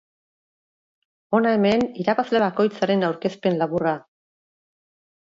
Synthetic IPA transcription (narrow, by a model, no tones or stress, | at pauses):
o̞nae̞me̞niɾaβazle̞βako̞jt͡saɾe̞nawɾke̞spe̞nlaβura